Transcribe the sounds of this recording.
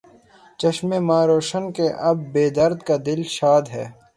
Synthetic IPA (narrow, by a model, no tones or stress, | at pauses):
t͡ʃɐʃmemaːɾoːʃənkeʔɐbːeːd̪ɐɾd̪kad̪ɪlʃaːd̪ɦɛ̰ː